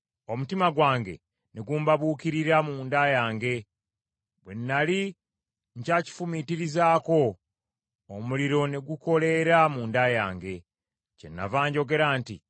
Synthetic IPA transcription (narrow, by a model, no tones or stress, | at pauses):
o̞mutimaɡwaːŋɡe̞̰ | neɡuːmbaβuːkiɾiɾamuːndajaːŋɡe̞ | βwe̞nːali | ɲcaːci̥fumitiɾizaːko̞ː | muliɾo̞ne̞ɡuko̞le̞ɾamuːndajaːŋɡe̞ | ce̞̰nːa̰vaːɲɟo̞ɡe̞ɾaːnti